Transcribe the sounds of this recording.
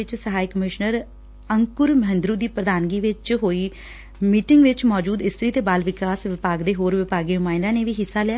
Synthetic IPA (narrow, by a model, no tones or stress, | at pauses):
ɪt͡ʃsəɦaːikəmɪʃnəɾ | əŋkʊɾməɦə̃nd̪ɾuːd̪iːpɾəd̪aːnɡiːʋɪt͡ʃɦoːiː | miːʈɪŋɡʋɪt͡ʃmɔːd͡ʒuːd̪ɪst̪ʰɾiːt̪eːbaːlʋɪkaːsʋɪpaːɡd̪eːɦoːɾʋɪpaːɡeːnʊmaːɪ̃nd̪aːneːʋiːɦɪsːaːlɪaː